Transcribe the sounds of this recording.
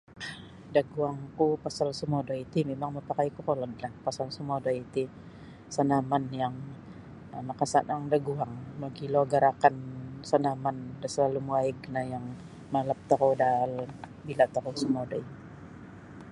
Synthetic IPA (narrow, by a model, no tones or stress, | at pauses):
daɡuaŋkupasalsəmodait̪imemaŋməpakajkukolɔdlahpasalsəmodait̪i | sanamanjaŋ | amakasanaŋdaɡuaŋmaɡiloɡaɾakansanamandasəlalumuaɪɡnajaŋ | maləp̚t̪aɦodal | bilat̪aɾosəmodai